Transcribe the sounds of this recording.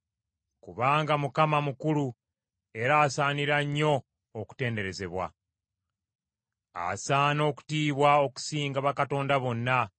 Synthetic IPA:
kuβaːŋɡamukamamukulu | e̞ɾaːsaːniɾaɲːo̞ː | ku̥te̞ːnde̞ɾe̞ze̞βwa̰ | a̰saːno̞ːku̥tiːβwao̞ku̥siːŋɡaβakato̞ːndaβo̞nːa

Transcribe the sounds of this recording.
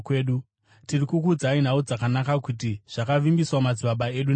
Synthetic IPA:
keːɗu | tirikukud͡zain̤aud͡zakanakakut̬iʐ̥akaʋimbiswamad͡ziɓaɓae̞ɗun

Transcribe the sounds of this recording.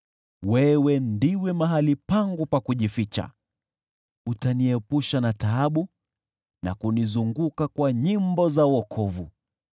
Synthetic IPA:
wɛwɛndiwɛmaɦalipaŋɡupakuʄifit͡ʃa̰ | utaniɛpuʃanataaɓu | na̰kunizuŋɡukakwaɲimbɔzawɔkʰɔvu

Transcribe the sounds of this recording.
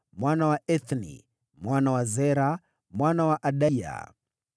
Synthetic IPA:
mwanawaʔɛθnḭ | mwanawazɛɾa | mwanawaʔaɗaja̰

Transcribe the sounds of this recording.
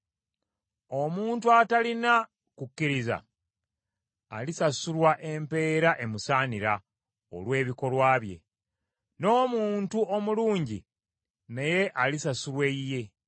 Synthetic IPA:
omuːntuatalina | kucːiɾiza̰ | lisasulwaʔe̞mpe̞ːɾaʔe̞musaːniɾa | o̞̰lwe̞ːβiko̞lwaːβje̞̰ | no̞ːmuːntuomuluːɲɟi | neje̞ʔalisasulwe̞ije̞

